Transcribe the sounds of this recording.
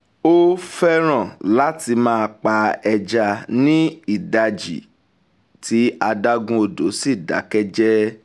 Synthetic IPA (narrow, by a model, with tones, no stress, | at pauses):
o˦fɛ˦ɾ̃ã˨la˦ti˧mãː˦˧k͡pa˧ɛ˧d͡ʒa˧nĩ˦i˦˨da˧d͡ʒḭ˨ | tʰi˨˦a˧da˦ɡũ˦o˧do˨˦si˦˨da̰˨˦kɛ˦d͡ʒɛ˦